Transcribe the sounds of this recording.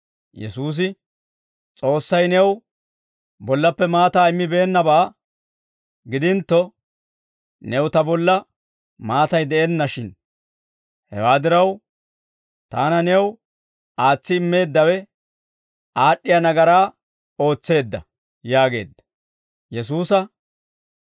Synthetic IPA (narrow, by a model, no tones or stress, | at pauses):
jɛ̰suːs̬ɪ | t͡sʼo̞ːsːɐjnɛw | bɔlːɐpːɛmaːt̪aːɪmːɪbeːnːɐbaː | ɡɪd̪ɪnt̪ːɔ | nɛwt̪ɐbɔlːɐ | maːt̪ɐjd̪ɛʔɛnːɐʃɪn | hɛ̰waːd̪ɪɾɐw | t̪aːnɐnɛw | aːt͡sːɪmːe̞ːd̪ːɐwɛ | ʔaːɗːɪjɐnɐɡɐɾaː | o̞ːt͡sːe̞ːd̪ːɐ̰ | jaːɡe̞̰ːd̪ːɐ | jɛs̬uːsɐ